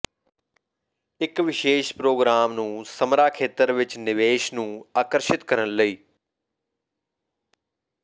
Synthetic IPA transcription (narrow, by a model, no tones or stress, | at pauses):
ɪkʋɪʃeːʃpɾoːɡɾaːmnũːsəmɾaːkʰeːt̪əɾʋɪt͡ʃnɪʋeːʃnũːaːkəɾʃɪt̪kəɾənləiː